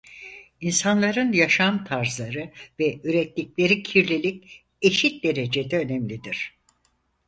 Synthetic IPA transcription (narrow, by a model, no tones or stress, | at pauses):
insanlˠaɾɯnjaʃamt̪ʰaɾzlˠaɾɯvɛyɾɛt̪ːiclʲe̞ɾicʰiɾlʲilʲic̚ | e̞ʃit̪̚d̪e̞ɾe̞d͡ʒed̪ɛø̞nɛmlʲid̪iɾ̥